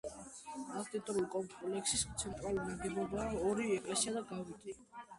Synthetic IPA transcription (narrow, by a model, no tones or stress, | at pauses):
at̪ʼɛt̪ʼɔɾulkʼɔmpʼlɛksist̪sʰɛnt̪ʼɾalunaɡɛbɔbaːɔɾiɛkʼlɛsiad̪aɡaɾit̪ʼi